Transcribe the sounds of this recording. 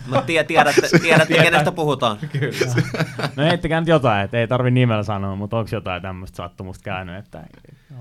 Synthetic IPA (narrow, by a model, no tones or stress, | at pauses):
mut̪t̪iɛt̪iæɾæt̪ːet̪iæɾæt̪ːekenest̪æpuhut̪ɑːnk | noheit̪ːekæːnyt̪jot̪ɑiet̪ːeit̪ɑrʋinnimelsɑnoːmut̪oŋksjot̪ɑit̪æmːøst̪sɑ̰t̪ːumust̪kæynyet̪ːæ̰